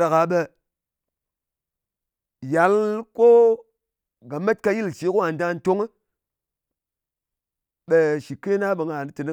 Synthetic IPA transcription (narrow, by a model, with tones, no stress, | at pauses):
ɾa˨ka˨˦ɓe˧ | ja˨˦lko˦ | ɡa˨me˦t̚ka˧ji˦lt͡ʃi˨˦ko˦a˨n˦da˧˦n˦to˦ŋ˦ | ɓe˨ʃi˨ke˦na˦ɓə˨ŋa˨nɨ˦tɨ˨ni˦